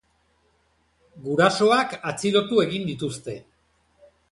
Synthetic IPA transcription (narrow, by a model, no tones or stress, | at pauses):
ɡuɾaso̞akat͡siɾo̞t̪ue̞ɣind̪it̪ust̪e̞